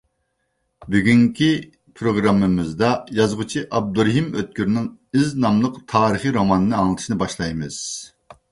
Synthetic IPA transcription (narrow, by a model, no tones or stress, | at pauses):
byɡʲyŋkʲʰi | pʰɾoɡɾɑmːɨmɨzd̪ɑjɑzʁʊt͡ʃʰiʔɑb̚d̪uɾɦimøt̪̚kʲyɾnɪŋiznɑmlˠəqt̪ʰɑːɾɨχiɾomɑnɨnɨɑŋlˠɨt̪ʰɨ̥ʃinɨbɑʃlˠɑjmɨz̥